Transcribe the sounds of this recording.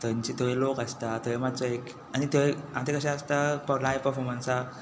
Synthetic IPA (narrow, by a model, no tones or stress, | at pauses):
t̪əɲt͡ɕit̪oʋelokast̪at̪əʋemat͡sɔek | anit̪eeat̪ekəɕãast̪apəɡlaepəɾfɔɾmənsa